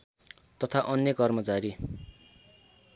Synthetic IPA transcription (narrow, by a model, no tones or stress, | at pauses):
t̪ʌt̪ʰaʔʌnjʌkʌrmʌt͡saɾi